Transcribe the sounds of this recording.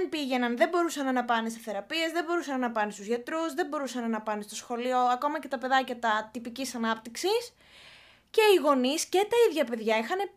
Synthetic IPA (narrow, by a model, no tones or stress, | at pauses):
npiʝe̞nɐnðebo̞ɾusɐnɐnɐpɐne̞seθe̞ɾɐpie̞zðe̞bo̞ɾusɐnɐnɐpɐnest̪uzʝɐt̪ɾuzðembo̞ɾusɐnɐnɐpɐnest̪o̞sxo̞lio̞ɐko̞mɐcet̪ɐpe̞ðɐcɐt̪ɐt̪ipicisɐnɐp̚t̪iksis | ce̞iɣo̞nisce̞t̪ɐiðʝɐpe̞ðʝɐixɐne̞